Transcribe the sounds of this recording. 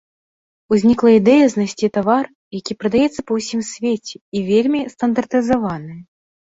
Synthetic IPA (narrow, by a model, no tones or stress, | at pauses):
uzʲnʲiklˠɐid̪ɛjɐznasʲt͡sʲit̪avar | jakʲipɾɐd̪ajɛt̪sːɐpɐwsʲimsʲvʲet͡sʲɛivʲelʲmʲist̪ɐnd̪ɐrt̪ɨzavanɨj